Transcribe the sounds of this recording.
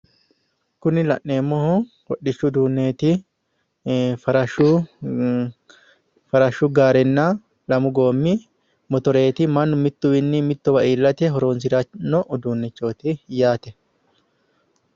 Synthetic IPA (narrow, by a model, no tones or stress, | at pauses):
kʊnɪlɐ̰ʔne̞ːmːɔhʊ | wɔɗːɪt͡ʃːʊd̪uːnːeːt̪ɪ | fɐɾɐʃʊ | fɐɾɐʃːʊɡaːɾɛnːa | lɐmʊɡoːmːɪ | mɔt̪ɔɾe̞ːt̪ɪmɐnːʊmɪt̪ːʊwɪnːɪmɪt̪ːɔwɐʔiːlːɐt̪ɛɦɔɾoːns̬ɪɾɐnːɔʔʊd̪uːnːɛt͡ʃːo̞ːt̪ɪjaːt̪ɛ